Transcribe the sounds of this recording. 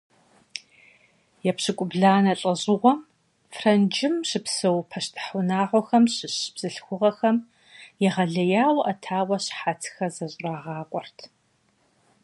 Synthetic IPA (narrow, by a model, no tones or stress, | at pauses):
jɛpɕɨkʷʼʊbɮaːnɐɬʼɐʑʼɪʁʷɔm | frɐnd͡ʒɪmɕɪpsɐwpʰɐɕtʰɨ̥ħʊnaːʁʷɔxɐmɕɪɕb̥z̥ɨɬxʷʊʁɐxɐm | jɛʁɐɮɐjaːwʔɐtʰaːwɐɕħatʰxɐzɐɕʼraːʁɑːqʷʼɔrtʰ